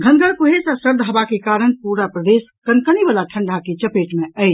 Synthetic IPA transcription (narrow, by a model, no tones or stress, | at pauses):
ɡʱənɡʱəɾkuɦesasəɾd̪ʱəɦəbakekaɾənpuɾapɾəd̪eskənkənibəlaʈʰəɳɖʱaket͡ʃəpeʈmeəɪt͡ʃ